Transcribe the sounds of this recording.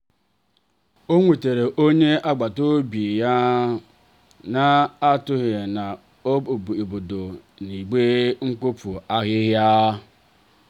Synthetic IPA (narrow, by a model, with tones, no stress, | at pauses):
o˦ŋʷe˨te˨ɾe˨ʔo˦ɲe˦ʔa˦ɡ͡ba˨to˦bi˨ja˦ | na˦a˦tʊ˦ɣe˨na˨ | o˦˨bo˨do˨ | ni˨ɡ͡be˦ŋ̩˦ko˦pu˨a˦ɣɪ˦ɦja˦